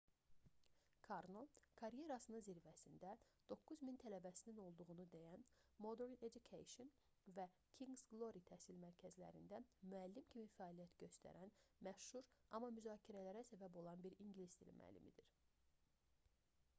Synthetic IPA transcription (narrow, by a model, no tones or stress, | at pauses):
kʰɑɾno̞kʰɑɾje̞ɾɑsɯnɯnziɾvæsind̪æd̪̥o̞kːuzmint̪ʰælæbæsinino̞lˠd̪uʁunud̪ejænmo̞d̪eɾned͡ʒukʰḛjʃon | væ | cʰiŋɡzɡlˠo̞ɾit̪ʰæːsilmæɾcʰæzlæ̰ɾind̪æmyælːimcʰimifæɑːlijæt̪ɟø̞st̪ʰæ̰ɾænmæʃhuɾɑmːɑmyzɑːcʰiɾælæɾæsæbæbo̞lˠɑnbiɾiɲɟilist̪ḭl̰mæ̰lːḭmid̪iɾ